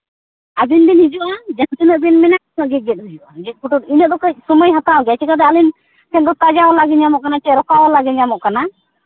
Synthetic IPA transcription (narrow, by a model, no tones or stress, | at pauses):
ad̪ind̪inɦid͡ʒuʔad͡ʒant̪inəʔbinmɛnaʔnɔʔɡiɡɛt̪̚ɦud͡ʒuʔa̰d͡ʒɛkuʈuʈinəd̪ɔkəc̚suməjɦat̪awɡat͡ʃʰikad̪ɛalin | sʰɛnd̪ɔt̪ad͡ʒawɔlaɡiɲamɔʔkanat͡ʃɛɾɔkawɔlaɡiɲamɔʔkana